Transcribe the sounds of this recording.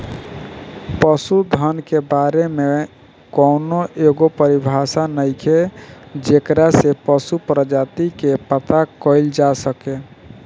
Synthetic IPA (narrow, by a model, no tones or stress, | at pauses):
pəsud̪ʱənkebaɾeme | kɔnoʔeɡopəɾibʱasanəɪkʰed͡ʒekɾasepəsupɾəd͡ʒat̪ikepət̪akəɪld͡ʒasəke